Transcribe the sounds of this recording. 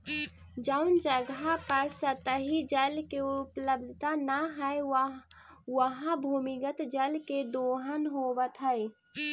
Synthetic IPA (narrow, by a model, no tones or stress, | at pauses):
d͡ʒəʊnd͡ʒəɡapəɾsət̪əɦid͡ʒəlkeʊpləb̚d̪ʱt̪anaɦɛe | wəɦãbʱuːmɪɡət̪d͡ʒəlked̪oːɦənɦowət̪ɦəe